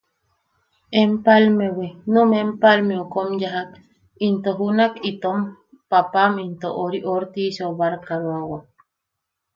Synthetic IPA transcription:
empalmewenumempalmeokomjaɦak | int̪oɦunakit̪om | papamint̪oʔoɾiʔoɾt̪iʃoβaɾkaɾawa

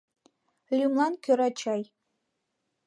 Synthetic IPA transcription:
lʲymlˠɑnkʲøɾɑt͡ɕɑj

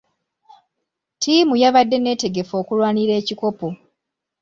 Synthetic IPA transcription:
tʰiːmujaβadːe̞ne̞ːte̞ɡe̞fo̞ːkulwaːniɾe̞ːciko̞po̞

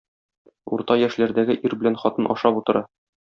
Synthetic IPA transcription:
ṵɾt̪ɑjæʃlæɾd̪æɡɘʔiɾbɘ̆lænχɒt̪ɤnʔɒ̰ʃɑput̪ɤ̆ɾɑ

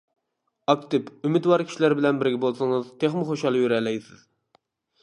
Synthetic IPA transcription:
ɑk̚t̪ɪpymɪt̪wɑɾkʰʲi̥ʃilæɾbɪlɛnbɪɾɡʲɛbolˠsɨŋɨzt̪ʰeχmɨχoʃɑlˠjyɾɛlːɛjsɪz̥

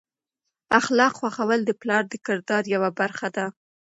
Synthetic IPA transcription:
axlɑqxwaxawəld̪əplɑɾd̪əkɪɾd̪ɑɾjawabaɾxad̪a

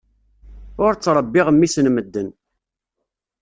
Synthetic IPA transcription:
ʊɾt͡sːɾˤəbːɪʁəmːisnməd̪ːən

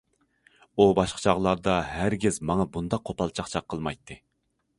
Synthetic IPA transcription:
ubɑʃqʰə̥t͡ʃʰɑʁlˠɑɾd̪ɑɦæɾɡʲɪzmɑŋɑbund̪ɑqːʰopʰɑlˠt͡ʃʰɑχt͡ʃʰɑqʰːəlˠmɑjt̪ʰːɨ

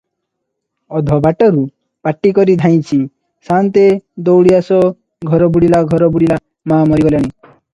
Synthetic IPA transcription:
ɔd̪ʱɔbaʈɔɾu | paʈːikɔɾid̪ʱaj̃t͡ʃʰi | sant̪ed̪ɔwɽiasɔ | ɡʱɔɾɔbuɽilaɡʱɔɾɔbuɽila | mamɔɾiɡɔljaɽ̃i

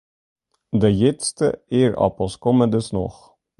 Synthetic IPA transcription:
d̪ɛjɛtst̪ə̰eɾɑ̰pɔskʰɔmənd̪əsnɔ̰χ

